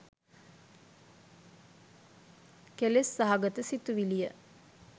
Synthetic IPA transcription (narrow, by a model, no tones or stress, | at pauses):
kelesːaɦaɡət̪əsit̪uʋilijə